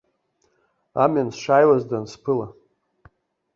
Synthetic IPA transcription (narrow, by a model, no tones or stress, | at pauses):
a̰mʲansʂajwazdanspʰɨla